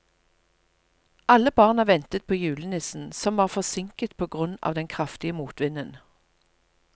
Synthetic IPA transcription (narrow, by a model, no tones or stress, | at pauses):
ʔɑləbɑːʁnɑʋɛnt̪ət̪̚pʰoːjʉːlənɪsn̩sɔmʋɑːʁfɔsɪŋkət̪pʰoːɡʁʉnɑ̰ːʋd̪ɛnkʰʁɑft̪ɪəmuːt̪ʋɪnən